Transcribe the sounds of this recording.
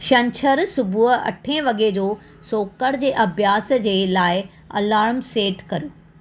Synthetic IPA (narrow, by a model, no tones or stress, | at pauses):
ʃɐ̃ɲt͡ɕʰəɾsʊbʱuɦɐ̰ʈʰẽʋɐɡed͡ʑoː | soːkəɽd͡ʑeːʔɐbjaːsd͡ʑeːlaːɪ | ɐ̰laːɾmseːʈkɐɾjuː